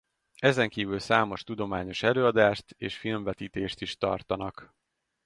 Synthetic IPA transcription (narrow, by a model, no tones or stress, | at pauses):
ɛzɛŋkiːvylsaːmo̞ʃt̪ud̪o̞maːɲo̞ʃɛløːɒd̪aːʃt̪eːʃfilmvɛt̪iːt̪eːʃt̪iʃt̪ɒ̰rt̪ɒnɒk